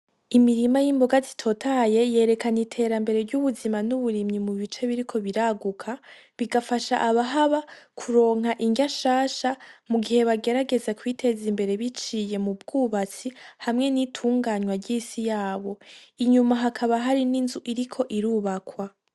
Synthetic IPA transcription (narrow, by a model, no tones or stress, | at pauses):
imiɾimajimboɡazi̥tʰo̞tʰaje̞je̞ːɾe̞kanitʰe̞ːɾambe̞ɾe̞ɾɟuβuzimanuβuɾimɲimuβit͡ʃe̞βiɾikʰo̞βiɾaɡukʰa | βiɡafaʃa̰ʔaβaɦaβakʰuɾo̞ːŋɦaʔiɲɟaʃaːʃamuɡihe̞βaɡe̞ɾaɡe̞zekwiːtʰe̞zimbe̞ɾe̞βit͡ʃiːje̞mubɡuβat͡sihamŋe̞nitʰuːŋɡaːɲwaɾɟisijaːβo̞iɲumaɦakʰaβaɦaɾininzuʔiɾikʰo̞ʔiɾuːβakwa